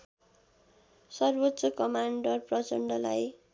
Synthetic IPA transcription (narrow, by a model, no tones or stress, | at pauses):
sʌrbott͡sʌkʌmaɳɖʌrprʌt͡sʌɳɖʌla̰j